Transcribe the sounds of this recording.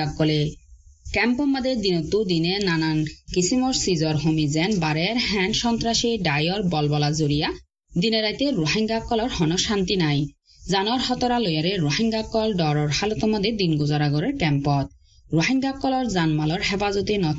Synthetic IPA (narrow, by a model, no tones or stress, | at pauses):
akːɔlekɛmpɔmːad̪ed̪inɔt̪ːud̪inenanankisʰimɔɾsizɔɾɦomizɛnbaɾɛɾɦɛnʃɔnt̪ɾaʃeɖajɔɾbɔlbɔlazoɾija | d̪ineɾajt̪eɾoɦiŋɡakːɔlɔɾhɔnɔʃant̪inaj | zanɔɾhɔt̪ɔɾalojaɾeɾoɦiŋɡakːɔlɖɔɾɔɾhalɔt̪ɔmɔd̪ed̪inɡozaɾaɡɔɾeɾkɛmpɔt̪̚ | ɾoɦiŋɡakːɔlɔɾzanmalɔɾɦɛpazɔt̪inɔ